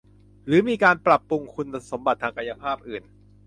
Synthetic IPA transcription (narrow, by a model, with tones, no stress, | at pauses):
ɾɯː˩˦miː˧kaː˧npɾa˨˩pːu˧ŋkʰu˧na˧so˩˦mba˨˩t̪ʰːaː˧ŋka˧ja˧pʰaː˥˩p̚ʔɯː˨˩n